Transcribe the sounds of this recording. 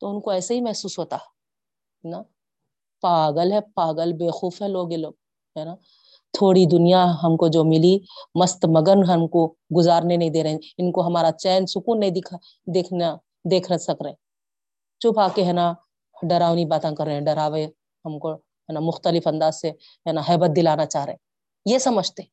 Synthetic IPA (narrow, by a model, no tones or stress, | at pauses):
t̪oʊnkoɛːseɦimɛɦsuːsɦoːt̪aɦɛ | ɦɛna | paːɡəlɦɛpaːɡəlbeːxuːfɦɛloːɡeloːɡ | ɦɛna | t̪ʰoːɽid̪ʊnijaɦɐmkod͡ʒoːmɪlimɐst̪mɐɡəɾnɦɐmko | ɡʊzaːɾnenɐɦĩd̪eːɾɐẽɪnkoɦɐmaːɾat͡ʃɛːnsʊkuːnːɐɦĩd̪ɪkʰ | d̪ekʰ | d̪eːkʰnəsɐkɾe | t͡ʃʊpʰaːkeɦɛːna | ɖɐɾaːʋnibaːt̪ãkɐɾːeɦɛ̃ɖɐɾaːʋẽ | ɦɐmko | ɦɛːnamʊxt̪əlɪfɐ̃nd̪aːzse | ɦɛːnaɦɛːbət̪̚d̪ɪlaːnat͡ʃaːɦɾee | jesɐməd͡ʒʱt̪eɛ